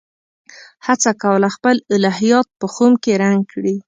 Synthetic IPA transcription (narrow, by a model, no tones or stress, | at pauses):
hat͡sakawəlaxpəlɪlɑɦijɑt̪̚pəxomkeɾaŋɡkɽi